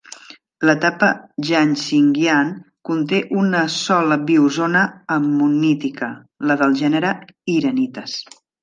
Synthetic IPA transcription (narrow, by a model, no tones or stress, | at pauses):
lət̪apəʒansiŋɡjan | kunt̪eʔunəsɔləβiuzonəːmunit̪ikə | ləðəlˠʒɛnəɾəiɾənit̪əs